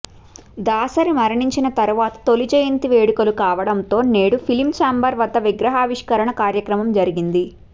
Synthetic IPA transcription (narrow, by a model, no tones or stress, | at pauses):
d̪aːsɐɾimɐɾiɳiɲt͡ʃinɐt̪ɐɾuʋaːt̪ɐ̥t̪o̞lid͡ʒeːjint̪iʋeːɽukɐlukaːʋɐɽɐnt̪o̞ːneːɽupʰilimt͡ʃaːmbɐɾʋɐd̪ʱːɐʋiɡɾɐɦaːʋiʂkɐɾɐɳɐkaːɾjɐkɾɐmɐmd͡ʒɐɾiɡind̪i